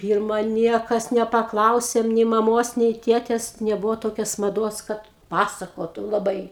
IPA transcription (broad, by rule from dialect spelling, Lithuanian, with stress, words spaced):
ˈpʲiːrmɐ ˈnʲiɛkɐs nʲɛpɐˈklˠɐʊsʲeːm nʲɛɪ mɐˈmoːs nʲɛɪ ˈtʲeːtʲɛs nʲɛˈbʊʋoː ˈtoːkʲɛs mɐˈduɔs ˈkɐt ˈpɑːsɐkoːtʊ lˠɐˈbɐɪ